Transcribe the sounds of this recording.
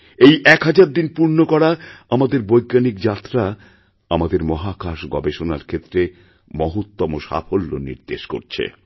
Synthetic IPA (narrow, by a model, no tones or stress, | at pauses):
ejʔɛkɦad͡ʑaɾd̪inpuɾnokɔɽaamad̪eɾbojɡanikd͡ʑat̪ːɾa | amad̪eɾmɔɦakaʃɡɔbeʃona̰ɾkʰet̪ːɾe | mɔɦot̪ːɔmoʃa̰fʰolːo̰nḭɾd̪eʃko̰ɾt͡ɕʰḛ